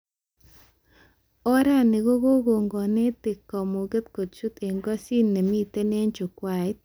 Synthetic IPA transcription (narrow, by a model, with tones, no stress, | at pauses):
ɔ˦ɾa˦˨ne˨ɣo˦ɣo˦ɡo˨ŋɡɔ˨ne˦tɪ˨kɔ˨mu˨ɡe˦t̪ko˨tt͡ʃu˦t̪e˨ŋɡɔ˦si˦nːe˨mi˦t̪e˦ne˦ɲt͡ʃʊ˨kwa˦˨ɪ˦t̪̚